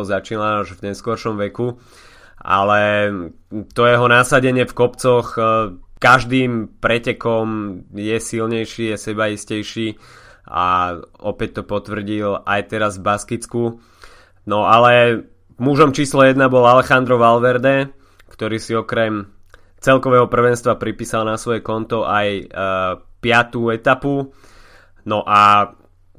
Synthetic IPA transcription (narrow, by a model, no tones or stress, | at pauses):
zat͡ʃiːnaaʒvɲɛskɔɾʃɔmʋɛku | a̰lɛ | t̪ɔjɛɦɔnasaɟɛɲɪɛfkɔpt͡sɔxkaʒd̪iːmpɾɛcɛkɔmjɛsilɲɛjʃiːjɛsɛbaiscɛjʃiːa̰ɔpɛc̚t̪ɔpɔt̪ʋr̩ɟilajt̪ɛɾazvbaskit͡sku | nɔʔalɛ | muʒɔmt͡ʃiːslɔjɛd̪nabɔlalɛxand̪ɾɔʋalʋɛɾd̪ɛ | kt̪ɔɾiːsiɔkɾɛm | t͡sɛlkɔʋɛːɦɔpr̩ʋɛnst̪ʋapɾipiːsalnasʋɔjɛkɔnt̪ɔʔaj | pɪat̪uːɛt̪apu | nɔʔa